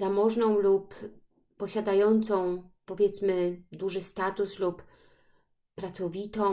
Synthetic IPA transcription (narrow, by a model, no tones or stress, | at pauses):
zamɔʐnɔ̃w̃lupː | ɔɕad̪ajɔnt̪sɔ̃w̃pɔvʲjɛt̪smɘd̪uʐɘst̪at̪uslup | pɾat̪sɔvʲit̪ɔ̃